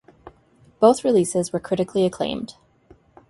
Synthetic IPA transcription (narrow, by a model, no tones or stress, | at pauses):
b̥oʊθɹilisɪzwə˞kʰɹ̥ɪɾɨkʰliɨkʰl̥ḛ̃ɪ̃md̥